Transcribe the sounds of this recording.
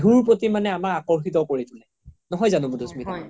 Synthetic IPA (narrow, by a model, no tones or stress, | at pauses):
ɦuɹpotimanɛamakakɔɹxitɔkoɹitʰʊnɛ | nɔɦɔjzanʊ̃budʱusmit